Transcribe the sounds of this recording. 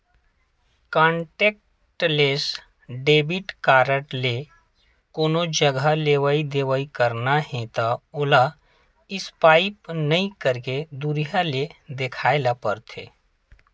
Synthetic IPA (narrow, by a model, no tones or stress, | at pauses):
kãːɳʈeːk̚ | ʈleːs | ɖeːbɪʈkaːɾəʈle | koːnod͡ʒəɡaleːʋaid̪eːʋaikəɾnaɦẽt̪aoːla | ɪspaːɪpnɐĩkəɾked̪uɾijaled̪ekʰaːɪlapəɾt̪ʰḛː